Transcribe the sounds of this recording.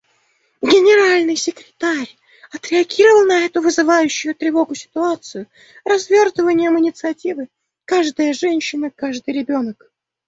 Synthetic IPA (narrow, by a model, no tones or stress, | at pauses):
ɡʲɪnʲɪɾalʲnɨjsʲɪkɾʲɪt̪aɾʲ | ɐt̪ɾʲɪɐɡʲiɾəvəlˠnɐɛt̪ʊvɨzɨvajʉɕːʊjʊt̪ɾʲɪvo̞ɡʊsʲɪ̥t̪ʊat̪sɨjʊ | rɐzvʲo̞rt̪əvənʲɪjəmɨnʲɪt̪sɨɐtʲivɨ | kaʐd̪əjəʐɛnʲɕːɪnəkaʐd̪ɨjɾʲɪbʲo̞nək